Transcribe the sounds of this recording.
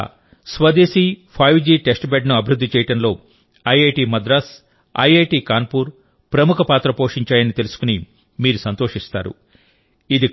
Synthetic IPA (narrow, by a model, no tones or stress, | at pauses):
sʋɐd̪eːsipʰɐjʋd͡ʒiːʈesʈbeɖnuɐbʱiɾud̪ʱːit͡ʃɛːjɐʈɐnlo̞ː | ɐjeːʈiːmɐd̪ɾɐs | ɐ̰jeːʈiːkaːnpuːɾ | pɾɐmukʰɐpaːt̪ɾɐpo̞ːʂiɲt͡ʃaːjɐnit̪elusu̥kuni | miːɾusɐnt̪o̞ːʂist̪a̰ːɾṵ | id̪i